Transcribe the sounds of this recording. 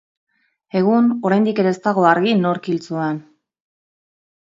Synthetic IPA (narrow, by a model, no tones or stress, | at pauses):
e̞ɣ̞uno̞ɾajnd̪ike̞ɾest̪aɣo̞aɾɣino̞ɾkilt͡suan